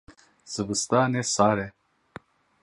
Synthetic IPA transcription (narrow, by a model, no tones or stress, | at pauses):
z̥əbəst̪aːnesaːɾe